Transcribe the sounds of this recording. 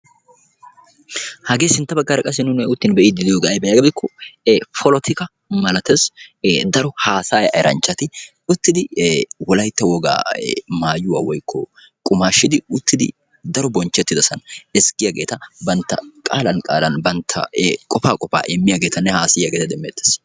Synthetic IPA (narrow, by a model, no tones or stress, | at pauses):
hɐɡe̞ːsɪnt̪ːɐbɐɡːɐɾɐkʼɐsɪnʊnɛʊt̪ːɪnbɛʔid̪ɪd̪ɪjoɡʔɐjbɛjɐɡɐbɪkʰːɔfʰɔlɔt̪ʰɪkɐ | mɐlɐt̪esd̪ɐɾɔhaːsaːjɐ̰ɛɾɐ̰nt͡ʃːɐt̪ɪ | ʊt̪ːɪd̪ɪwɔlɐjt̪ːɐwɔɡa̰ːmaːjʊwa̰ːwɔjkʰːɔ | kʼʊmaːʃːɪd̪ɪʊt̪ːɪd̪ɪ̰ | d̪ɐɾɔbɔnt͡ʃːɛt̪ːɪd̪ɐsɐnɛskːɪjɐɡe̞ːt̪ɐbɐnt̪ːɐ̰kʼaːlɐnkʼaːlɐnbɐnt̪ʰːɐ̰kʼɔfaːkʼɔfa̰ːʔɛmːɪjɐɡeːt̪ɐnːɛhaːsɪjɐɡeːt̪ɐd̪ɛmːeːt̪ːe̥s